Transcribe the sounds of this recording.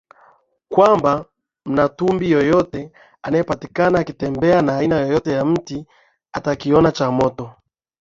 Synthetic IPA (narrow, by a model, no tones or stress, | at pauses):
kwamba | m̩natumbijɔjɔtɛ | anajɛpatikanaːkitɛmbɛanaːinajɔjɔtɛjam̩ti | atakiɔnat͡ʃamɔtɔ